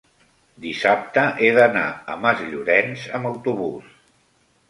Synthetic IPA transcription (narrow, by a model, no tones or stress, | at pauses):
d̪isap̚t̪əʔeðənaə̰məzʎuɾɛnzəməwt̪uβus